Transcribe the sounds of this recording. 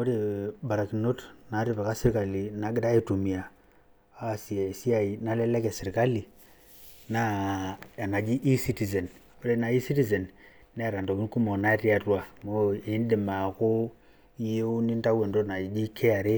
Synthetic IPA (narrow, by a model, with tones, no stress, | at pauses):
o˦ɾe˨ba˨ɾa˨ki˨no˦tna˨˦ɾi˦˨pe˨ka˦si˦ɾka˨li˨na˨˦ɡɪ˦da˦e˦˨tu˨mi˨a˨ | a˦˨si˨a˨si˦a˨i˨na˦lɛ˦lɛ˦kɛ˨si˨ɾka˦li˨ | na˦a˨na˨d͡ʒi˦ʔi˦si˦ti˨ze˨n | o˦ɾe˦na˨i˦si˦ti˨ze˨nː | e˦˨ɾa˨ndo˨ki˦nku˦mo˨na˦ɾi˦a˨twa˨mo˦e˨˦ndi˨ma˨ko˦ | i˦je˦u˦ni˦nta˦we˨ndo˦na˨i˨d͡ʒi˦kʰe˦a˨ɾe˦